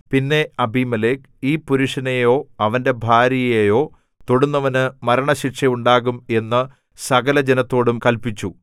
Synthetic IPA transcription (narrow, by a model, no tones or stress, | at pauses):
pinːe̞ɐbʱimɐleːk | iːpuɾuʂɐnejo̞ːɐʋɐnde̞bʱaːɾjɐɐjejo̞ː | t̪oɽunːɐʋɐnɨmɐɾɐɳɐɕiʈʂɐjuɳɖaːɣume̞nːɨ | sɐɣɐlɐd͡ʑenɐt̪ːo̞ːɽumkɐlpit͡ɕːu